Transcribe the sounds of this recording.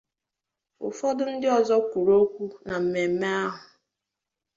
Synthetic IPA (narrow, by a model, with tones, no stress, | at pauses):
ʊ̰˨fɔ˦dʊ˦n̩˦dɪ˦ɔ˨zɔ˦kʷu˨ɾo˦kʷu˦na˨m̩˨me˨m̩˦me˦a˦ɦʊ˨